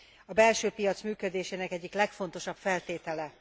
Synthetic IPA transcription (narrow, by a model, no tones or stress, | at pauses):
ɒbɛlʃøːpijɒt̪smyːkø̞d̪eːʃeːnɛkɛɟːiklɛkfo̞n̪t̪o̞ʃɒpfɛlt̪eːt̪ɛlɛ